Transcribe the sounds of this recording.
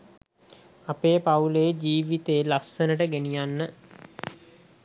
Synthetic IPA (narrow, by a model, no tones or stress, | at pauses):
apeːpauled͡ʒiːʋit̪eːlaksənəʈəɡenijanːə